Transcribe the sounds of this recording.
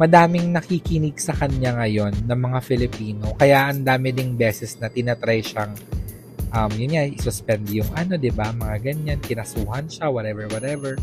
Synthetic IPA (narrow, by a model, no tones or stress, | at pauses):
mɐd̪aːmɪŋnɐkikɪnɪɡ̚sɐkɐɲaŋɐjo̞nːɐŋmɐŋafɪlɪpiːno̞kɐjaʔɐnd̪aːmɪd̪ɪŋbɛːsɛsnɐt̪ɪnat̪ɾajʃaŋ | ʔɐmjʊnɲaʔɪsʊspɛnd̪ɪjʊŋʔɐno̞d̪ɪbamɐŋaɡɐɲankɪnɐsuːhɐnʃawɐt̪ɛvɛɹwɐt̪ɛvɛɹ